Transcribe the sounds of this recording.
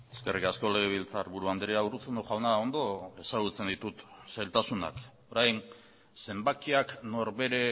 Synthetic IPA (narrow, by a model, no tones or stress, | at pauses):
e̞ske̞rikasko̞le̞ɣ̞eβ̞ilt͡saɾβuɾuand̪ɾiaurut͡sunoʝawnao̞nd̪o̞e̞saɣ̞ut͡se̞nd̪it̪ut̪sajlt̪asuna̰k | o̞ɾajn | se̞mbakiakno̞ɾβe̞ɾe̞